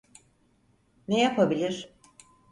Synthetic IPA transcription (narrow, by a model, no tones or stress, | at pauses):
nejapʰabilʲiɾ